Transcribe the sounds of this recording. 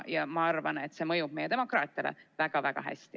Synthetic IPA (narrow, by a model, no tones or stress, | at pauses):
jɑmɑɑrvɑne̞t̪ːˑse̞mɤjub̥̚me̞jet̪e̞mo̞krɑːt̪ˑɑlḛvæɡ̥ɑvæɡ̥ɑ̰ɦæ̰st̪i